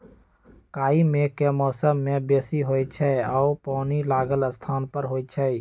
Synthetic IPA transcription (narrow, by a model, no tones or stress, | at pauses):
kaːimekemɔːsəmːebesiɦojt͡ʃʰɛaʊpɔːnilaːɡələst̪ʰaːnpəɾɦojt͡ʃʰɛj